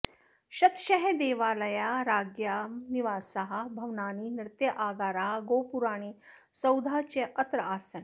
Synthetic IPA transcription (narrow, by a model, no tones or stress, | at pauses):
ɕɐt̪ɕɐɦed̪eːʋaːlɐjaɾaːɡjaniʋaːsɐɦɐbʱɐʋnaːninɾt̪jɐʔaːɡaːɾaɦɡoːpuɾaːɽ̃iː | sɐwd̪ʱat͡ɕeʔɐt̪ɾɐaːsən